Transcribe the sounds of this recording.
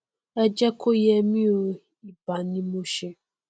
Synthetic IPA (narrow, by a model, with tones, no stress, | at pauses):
ɛ˦d͡ʒɛ˦kʰo˦jɛ˦mĩ˦o˧˦ | i˨ba˨nĩ˦mo˦ʃe˧